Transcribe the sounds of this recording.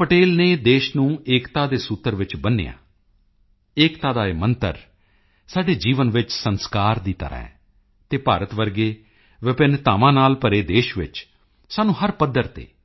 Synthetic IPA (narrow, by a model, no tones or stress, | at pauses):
pəʈeːlneːd̪eːʃnũːeːkt̪aːd̪eːsut̪ːəɾʋɪt͡ʃbənːḛːja̰ː | eːkt̪aːd̪aːeːmənt̪ə̰ɾ | saːɖeːd͡ʒiːʋənʋɪt͡ʃsənskaːɾd̪iːt̪ə̰ɾʔã̰ːɛ̰ː | t̪eːpaːɾət̪ʋəɾɡeː | ʋɪpɪnt̪aːʋãːnaːlpəɾeːd̪eːʃʋɪ̰t͡ʃ | saːnũːɦəɾpəd̪ːəɾt̪ḛː